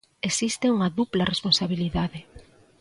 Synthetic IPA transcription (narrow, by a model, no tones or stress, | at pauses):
esist̪euŋɐðuplɐresponsaβiliðaðe